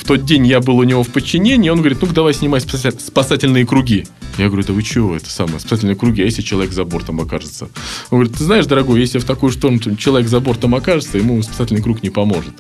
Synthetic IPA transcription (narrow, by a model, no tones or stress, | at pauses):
ft̪o̞t̪̚dʲenʲjabɨlˠʊnʲɪvo̞fpət͡ɕːɪnʲenʲɪːonɡəvɐɾʲit̪nukd̪ɐvajsʲnʲɪmajspsaspɐsatʲɪlʲnɨjəkɾʊɡʲi | jaɡəvəɾʲud̪əvɨt͡ɕɪvo̞ɛt̪ə̥samə̰jəspɐsat̬ʲɪlʲnɨjəkɾʊɡʲiɐjesʲlʲɪt͡ɕɪlˠɐvʲekzɐbo̞rt̪amɐkaʐɨt̪səonɡvɐɾʲit̪ːɨznaɪʂd̪əɾɐɡo̞jjesʲlʲɪft̪ɐkujʊʂt̪o̞ɾənʊt͡ɕɪlˠɐvʲeɡzɐbo̞rt̪amɐkaʐɨt̪səjɪmuspɐ̥satʲɪlʲnɪkɾuknʲɪpɐmo̞ʐɨt̪